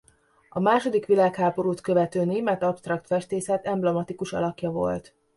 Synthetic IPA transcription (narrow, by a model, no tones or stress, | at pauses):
ɒmaːʃo̞d̪ikʋilaːkhaːbo̞ɾuːt̪kø̞vɛt̪øːneːmɛt̪ɒpst̪rɒkt̪fɛʃt̪eːsɛt̪ɛmblɛmɒt̪ikuʃɒ̰lɒkjɒvo̞̰lt̪